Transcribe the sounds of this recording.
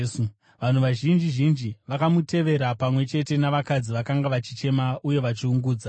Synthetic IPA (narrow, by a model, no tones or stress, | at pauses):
su | ʋan̤uʋaʒind͡ʒiʒind͡ʒiʋakamute̞ʋe̞ɾapamwe̞t͡ʃe̞te̞naʋakad͡ziʋakaŋɡaʋat͡ʃit͡ʃe̞maʔuje̞ʋat͡ʃiuŋɡuːd͡za